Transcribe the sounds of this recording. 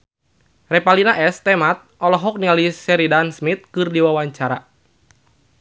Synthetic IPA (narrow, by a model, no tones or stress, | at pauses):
rɛpalinaʔɛst̪ɛmat̪̚ʔɔlɔɦɔk̚nialisɛɾidansmit̪̚kɨrdiwawaɲt͡ʃaɾa